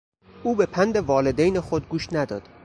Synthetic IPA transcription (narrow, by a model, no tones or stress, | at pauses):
ʔuːbe̞pʰænd̪e̞vɒːled̪ejnexod̪̚ɡuːʃnæd̪ɒːd̪̥